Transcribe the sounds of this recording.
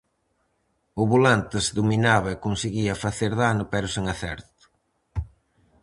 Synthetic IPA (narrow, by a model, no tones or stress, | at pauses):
ʊβulant̪ɪsðuminaβɐekonseɣiɐfaθeɾðanʊpɛɾʊseŋaθɛ̰ɾt̪ʊ̥